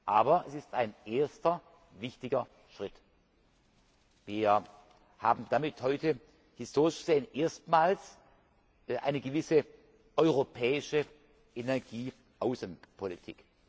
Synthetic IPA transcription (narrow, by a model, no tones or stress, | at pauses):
ʔaːbɐɛsɪstaɪnʔeːɐstɐ | vɪçtɪɡɐ | ʃʁ̥ɪt | viːɐ | haːbm̩d̥amɪthɔʏtə | hɪstʰoːʁɪʃɡ̥z̥eːənʔeːɐstmaːls | ʔa̰ɪnəɡəvɪsə | ʔɔʏʁopʰɛːɪʃə | ʔenɛɐɡiː | ʔaʊsənpʰolḭtʰḭk